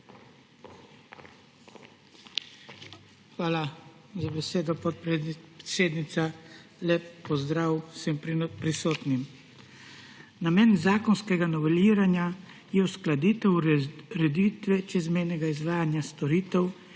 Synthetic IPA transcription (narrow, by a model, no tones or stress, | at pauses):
xʋaːlazabɛseːd̪ɔpɔt̪pɾseːd̪nit̪salɛpːɔzd̪ɾaːwsɛmpɾisoːt̪nim | namɛːnzaːkɔnskɛɡanɔʋɛliːɾanja | jɛusklad̪iːt̪ɛwɾɛd̪iːt̪ʋɛt͡ʃɛzmɛjnɛɡaizʋaːjanjast̪ɔɾiːt̪ɛw